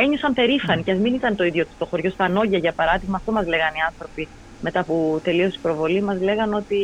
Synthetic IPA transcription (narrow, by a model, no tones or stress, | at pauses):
e̞ɲo̞sɐmpe̞ɾifɐniceɐzminit̪ɐnt̪o̞iðʝo̞t̪i̥st̪o̞xo̞ɾʝo̞st̪ɐno̞ʝɐʝɐpɐɾɐðiɣmɐːft̪o̞mɐzle̞ɣɐniɐnθɾo̞pi | met̪ɐput̪e̞lio̞si̥pɾo̞vo̞limɐzle̞ɣɐno̞t̪i